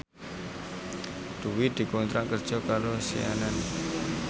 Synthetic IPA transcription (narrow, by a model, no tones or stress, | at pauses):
d̪̥uwid̪̥i̤kont̪ɾaʔkərd̥ʒ̥ɔ̤kaɾosḭanan